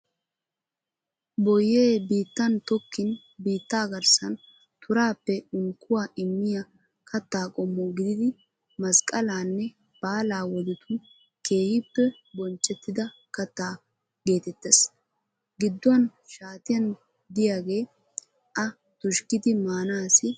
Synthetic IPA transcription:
bɔjːeːbiːt̪ːɐnt̪ɔkːɪn | biːt̪ːaːɡɐɾsɐn | t̪ʊɾaːpːɛʊŋkːʊwaːʔɪmːɪjɐ | kʰɐt̪ːaːkʼɔmːɔɡɪd̪ɪd̪ɪ | mɐskʼɐlaːnːɛ | b̥aːlaːwɔd̪ɪt̪ʊ | ke̞ːhɪpːɛ | bɔnt͡ʃʼːɛt̪ːɪd̪ɐ | kɐt̪ːaː | ɡe̞ːt̪ɛt̪ːes | ɡɪd̪ːʊɐnʃaːt̪ɪjɐn | d̪ɪjaːɡe̞ː | ɐ | t̪ʊʃkɪd̪ɪmaːnaːsɪ

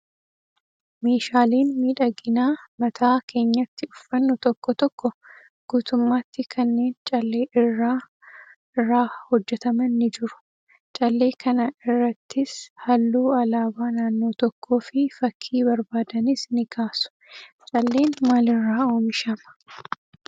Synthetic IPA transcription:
me̞ːʃaːleːnmiːᶑɐɡɪnaːmɐt̪ʰaːkʰe̞ːɲːɐt̪ːɪʊfːɐnːʊt̪ɔkːɔt̪ɔkːɔ | ɡ̥uːt̪ʊmːaːt̪ːɪkʰɐnːe̞ːnt͡ʃʼɐlːe̞ːʔɪrːaː | ɪrːaːhɔd͡ʒːɛt̪ɐmɐnːɪd͡ʒɪɾʊ̥ | t͡ʃʼɐlːe̞ːkʰɐnɐɪrːɐt̪ːɪshɐlːuːɐlaːbaːnaːnːoːt̪ɔkʰːo̞ːfɪfɐkʰːiːbɐɾbaːd̪ɐnɪsnɪɡaːsʊ̥t͡ʃʼɐlːe̞ːnmaːlɪrːaːo̞ːmɪʃɐmɐ̥

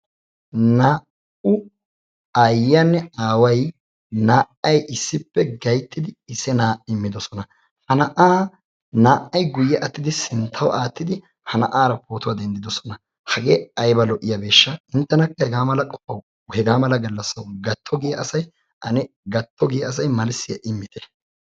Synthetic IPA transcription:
naː | ʊ | ɐjːanːɛaːwɐj | naːʔɐjʔɪsːɪpːɛɡɐjt̪ːɪd̪ɪːsːɛnaːʔɪmːɪd̪ɔsɔnɐ | hɐnɐʔaː | naːʔɐjɡʊjːɛʔɐt̪ːɪd̪ɪsɪnt̪ʰːɐwʔaːt̪ːɪd̪ɪ | hɐnɐ̰ʔaːɾɐpʰoːt̪ʊwad̪ɛnd̪ɪd̪ɔsɔ̥nɐ | hɐɡe̞ːɐjbɐlɔʔɪjabe̞ːʃːɐɪnt̪ːɛnɐkːɐhɛɡaːmɐlɐkʼɔpːɐw | hɛɡaːmɐlɐɡɐlːɐsːɐwɡɐt̪ːɔɡɪjɐɐsɐj | ʔɐnɪ | ɡɐt̪ʰːɔɡɪjɐɐs̬ɐjmɐlsɪɛʔɪmːɪt̪ʰɛ̥

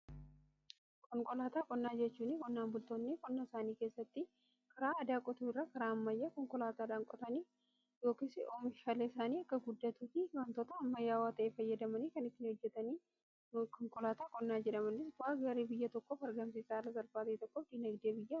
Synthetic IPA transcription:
kʼɔŋkʼɔlaːt̪aːkʼɔnːaːd͡ʒɛt͡ʃːuːnɪkʼɔnːaːmbʊlt̪oːnːekʼɔnːaːɪsaːniːke̞ːsːɐt̪ːɪ | kɐɾaːɐd̪aːkʼɔt̪uːɪrːaːkɐɾaːɐmːɐjːaːkɔŋkʼɔlaːt̪aːᶑaːŋkʼɔt̪ɐniː | jo̞ːkɪsɪoːmɪʃaːleːɪsaːniːɐkːɐɡʊd̪ːɐt̪uːfɪwɐnt̪ɔt̪ɐːmːɐjaːwaːt̪ɐʔeːfɐjːɐd̪ɐmɐniːkɐnɪt̪ːɪnːhɔd͡ʒːɛt̪ɐniː | kɔŋkʼɔlaːt̪aːkʼɔnːaːd͡ʒɛᶑɐmɐnːɪsbʊaːɡɐɾiːbɪjːɐt̪ɔkːɔfɐɾɡɐmsɪsaːlɐɡɐɾfaːt̪ɐt̪ɔkːɔfd̪ɪnɐɡd̪eːbɪjːɐ

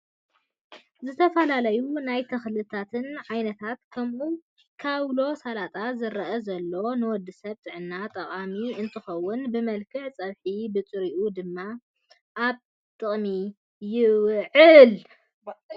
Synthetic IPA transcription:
zɨt̪ʰɐfɐlalɐjunajt̪ʰɐxlɨt̪ʰat̪ʰɨnʕajnɐt̪ʰat̪kʰɐmʔu | kʰaβlo̞salat̪ʼazɨɾɐʔɐzɐlːo̞nɨwɔd̪ːɨsɐβt̪ʼɨʕɨnːat̪ʼɐχʼamiɨnt̪ʰɨxɐwːʊnbɨmɐlkʰɨʕt͡sʼɐβħibɨt͡sʼɨɾiʔud̪ɨmːa | ʔaβ | t̪ʼɨχʼmi | jɪwʕɨl

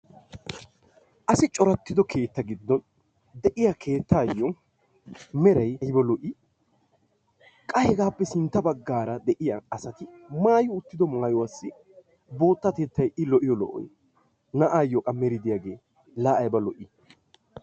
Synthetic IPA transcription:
ʔɐsɪt͡ʃʼɔɾɐt̪ːɪd̪ɔkʰe̞ːt̪ːɐɡɪd̪ːɔn | d̪ɛʔɪjakʰe̞ːt̪ːaːjːɔ | mɛɾɐjjbɐlɔʔi | kʼɐhɛɡaːpːɛsɪnt̪ːɐbɐɡːaːɾɐd̪ɛʔɪjaːsɐt̪ɪ | maːjʊʊt̪ːɪd̪ɔmaːjɔwasːɪ | bo̞ːt̪ːat̪ɛt̪ːɐjɪlɔʔɪjɔlɔ̰ʔɔ̰j | nɐʔaːjːɔkʼɐmɛɾɪd̪ɪjaːɡe̞ː | laːʔɐjbɐlɔʔɪ

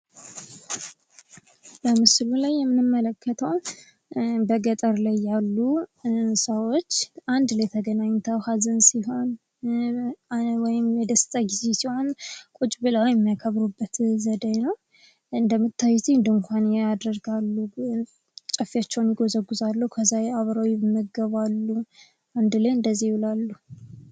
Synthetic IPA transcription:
bəmɨslulajːɛmːɨnɨmːələkːət̪ʰəw | bəɡət̪ʼəɾlajːalːu | səwot͡ʃːʔand̪lət̪ʰəɡənaɲːt̪ʰəwhazənsiɦo̞n | wɔjɪmjɛd̪əst̪ʼəɡizesiho̞nkʼut͡ʃʼbɨlawjɛmːijakʰəβɾubːət̪zəd̪əjnəw | ɨnd̪əmɨt̪ːajt̪ʰiɨnd̪əŋkʷʰanjɛad̪ɾəɡalːu | t͡ʃʼəfːijat͡ʃːɛwnjɪɡo̞zəɡːuzalːəwukʰəzajaβɾawɛmːəɡɡəβalːu | and̪lejɨnd̪əzːihwulalːu

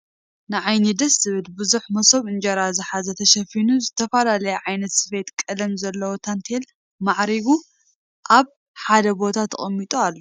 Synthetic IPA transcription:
nɨʕajnid̪ɐsɨβɨlbɨzuħmɐsoβɨnd͡ʒɐɾazɨħazɐt̪ʰɐʃɐfinuzɨt̪ʰɐfɐlalɐjɐʕajnɐt̪sɨfe̞t̪kʼɐlɐmzɐlːɐwot̪ʰant̪ʰel | maʕɾiβu | ʔaβ | ħad̪ɐbo̞t̪ʰat̪ʰɐ̰χʼɐmːit̪ʼualːo

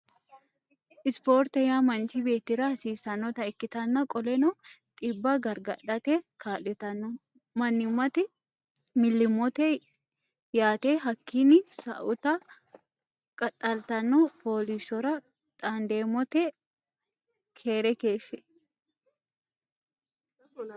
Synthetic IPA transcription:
ʔɪspo̞ːɾt̪ɛjaːmɐnt͡ʃibe̞ːt̪ːɪɾɐɐsiːsɐnːɔt̪ɐɪkːɪt̪ɐnːɐkʼɔlɛnɔt̪ʼɪbːɐɡɐɾɡɐᶑɐt̪ekʰaːlɪt̪ɐnːʊ | mɐnːɪʊmːɐt̪ɪ | mɪlːɪmɔt̪e | jaːt̪eɦɐkːinːɪsɐʔʊt̪ɐ | kʼɐtʼːɐlt̪ɐnːɔpʰo̞ːliʃɔɾɐ | t̪ʼaːnd̪eːmɔt̪ɛ | kʰeːɾɛkeːsɛ

